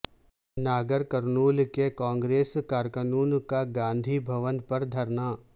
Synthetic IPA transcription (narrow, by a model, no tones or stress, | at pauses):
naːɡəɾkəɾnuːlkekãːŋɡɾeːskaːɾkənuːnkaɡãːnd̪ʱibʱɐʋənpɐɾd̪ʱɐɾnaː